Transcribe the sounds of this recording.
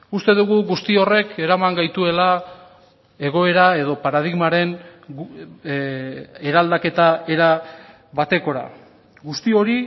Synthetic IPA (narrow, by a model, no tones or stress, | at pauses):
ust̪e̞ðuɣuɣust̪io̞re̞ke̞ɾamaŋɡajt̪ue̞la | e̞ɣ̞o̞e̞ɾae̞ðo̞paɾað̞iɣmaɾe̞n | eɾald̪ake̞t̪ae̞ɾa | βat̪e̞ko̞ɾa̰ | ɣust̪io̞ɾi